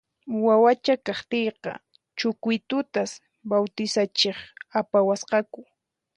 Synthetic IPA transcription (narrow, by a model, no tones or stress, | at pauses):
wawat͡ʃakaχt̪ejqɑ̰ | t͡ʃʊkʊjt̪ʊt̪as | bawt̪ɪsat͡ʃeχapawasqɑkʊ